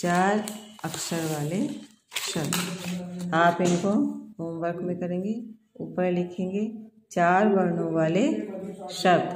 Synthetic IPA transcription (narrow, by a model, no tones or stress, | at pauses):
t͡ʃaːɾɐkʃəɾʋaːle | ʃɐbd̪ | aːpɪnkoɦoːmʋəɾkmẽkɐɾẽːŋɡe | uːpəɾlɪkʰẽːŋɡe | t͡ʃaːɾbəɾnõʋaːleʃɐb̪